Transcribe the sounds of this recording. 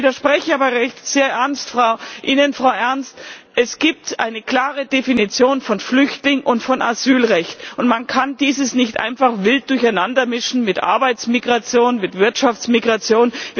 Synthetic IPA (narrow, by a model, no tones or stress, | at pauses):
iːdɐʃpʁ̥ɛçəaːbɐʁɛçtz̥eːɐʔɛɐnstfʁ̥aʊʔɪnənfʁ̥aʊʔɛɐnstʔɛsɡ̥iːp̚tʔa̰ɪnəkl̥aːʁədefinit͡sjoːnfɔnflʏçtlɪŋʔʊntfɔna̰zyːlʁɛçtʊntmankʰandiːzəsnɪçtʔa̰ɪnfaχv̥ɪlt̚d̥ʊɐçaɪnandɐmɪʃn̩mɪtʔa̰ɐbaɪt͡smiɡʁat͡sjoːnmɪtv̥ɪɐtʃaft͡smiɡʁat͡sjoːnv